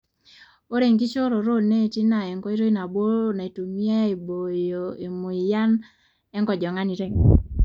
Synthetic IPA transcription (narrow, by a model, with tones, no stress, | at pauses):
o˦ɾe˨ŋɡi˦t͡ʃo˦ɾo˨ɾo˦ne˦˨ti˦na˨ɛ˨ŋkɔ˦i˦ɾo˦i˦na˨bo˦na˨e˨tu˨mija˦e˨bo˨jo˨e˨mo˨i˨ja˦n | ɛ˦ŋɡɔ˨d͡ʒɔ˨ŋa˦ni˨ɾe˦˨ŋ